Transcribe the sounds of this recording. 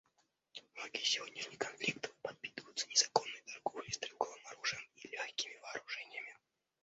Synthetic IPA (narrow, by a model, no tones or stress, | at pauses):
noɡʲisʲɪvʲo̞dʲnʲɪʂnʲɪjkɐnfʲlʲikt̪ə̥fpɐt̪̚pʲit̪ɨvəjʊt̪sənʲɪzɐko̞nːɨjt̪ɐrɡovlʲɨst̪ɾʲɪlˠkovɨmɐɾuʐɨjəmilʲoxʲkʲɪmʲɪvɐːɾʊʐɛnʲɪjəmʲɪ